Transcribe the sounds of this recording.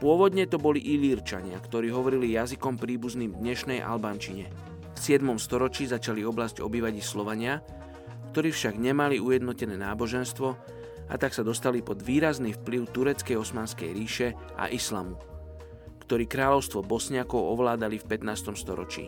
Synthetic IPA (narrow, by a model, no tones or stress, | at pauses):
pʊɔʋɔd̪ɲɛt̪ɔbɔliʔiliɾt͡ʃa̰ɲɪakt̪ɔɾiːɦɔʋɔɾilijazikɔmpɾiːbuzniːmd̪ɲɛʃnɛjʔa̰lbant͡ʃiɲɛ | fsɪɛd̪mɔmst̪ɔɾɔt͡ʃiːzat͡ʃaliɔblazɟɔ̰biːʋaɟislɔʋaɲɪa | kt̪ɔɾiːfʃaɡɲɛmaliujɛd̪nɔcɛnɛːnaːbɔʒɛnst̪ʋɔ | a̰t̪aksad̪ɔst̪alipɔd̪ʋiːɾazniːfpliʊt̪uɾɛt͡skɛjɔsmaːnskɛjɾiːʃɛ | ʔa̰ʔisla̰mu | kt̪ɔɾiːkɾaːlɔʊst̪ʋɔbɔsɲɪakɔʊɔʋlaːd̪alifpɛt̪naːst̪ɔmst̪ɔ̰ɾɔ̰t͡ʃḭː